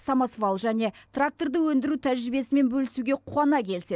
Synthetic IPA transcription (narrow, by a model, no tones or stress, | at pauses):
sɑmɑsvɑlˠʒæne̞t̪rak̚t̪o̞rd̪əwɵnd̪ɪɾut̪ʰæʒɾɪbe̞sɪme̞nbɵlɪsuɡʲe̞qʰuɑnɑkʲʰe̞lɪse